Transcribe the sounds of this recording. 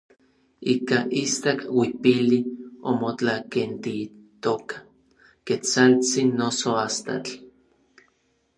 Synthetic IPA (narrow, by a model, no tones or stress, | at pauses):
ikaʔist̪akwipiliomot͡ɬakent̪it̪okḁ | ket͡salt͡sinːosoast̪a̰t͡ɬ